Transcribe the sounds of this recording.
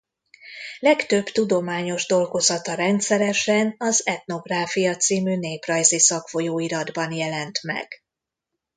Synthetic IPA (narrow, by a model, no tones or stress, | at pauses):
lɛkt̪ø̞bt̪ud̪o̞maːɲo̞ʒd̪o̞lɡo̞zɒt̪ɒɾɛnt̪sɛɾɛʃɛnɒzɛt̪no̞ɡraːfijɒt̪siːmyːneːprɒjzisɒkfo̞joːiɾɒd̪bɒnjɛlɛnt̪mɛ̰ɡ̥